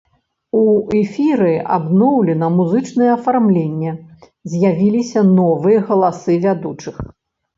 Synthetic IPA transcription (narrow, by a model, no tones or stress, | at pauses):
uɛfʲiɾɨa̰bnɔwlʲɛnɐmuzɨt͡ʂnɨjɛːfarmlʲenʲːɛ | zʲjavʲilʲisʲɐnɔvɨjɐɣɐlˠasɨvʲad̪ut͡ʂɨx